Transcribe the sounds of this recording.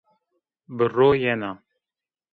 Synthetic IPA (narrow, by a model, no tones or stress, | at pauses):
bəroːjɛnɑ